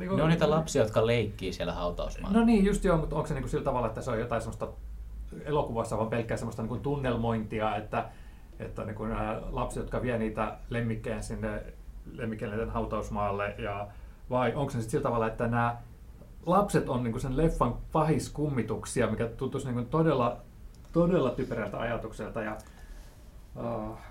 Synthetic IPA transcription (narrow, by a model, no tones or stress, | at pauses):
niːŋkuneonit̪ælɑpsiɑjot̪kɑleikːiːsiælæ̰hɑut̪ɑ̰usmɑ̰ːnoniːjjust̪jomut̪oŋkseniːkusilt̪ɑʋɑlːˑɑet̪ːæseojot̪ɑisemːost̪ɑ | elokuʋɑsːɑʋɑmpelkːæːsemːost̪ɑniːŋkunt̪unːelmoint̪iɑet̪ːæ | ḛt̪ːæ̰niːŋkunæːlɑpse̥t̪jot̪kɑʋiæniːt̪æ̰lemːikːeːnsinːelemːikːelnit̪ːenhɑut̪ɑusmɑːlːejɑ | ʋɑiʔoŋkosnesit̪silːt̪ɑʋɑlːˑɑet̪ːænæː | lɑpset̪onniːŋkusenlefːɑŋpɑhiskumːit̪uksiɑmikæt̪unt̪usniːŋkunt̪odelːɑ | t̪odelːɑt̪ypræst̪æ̰ɑ̰jɑt̪ukselt̪ɑjɑ | ɑː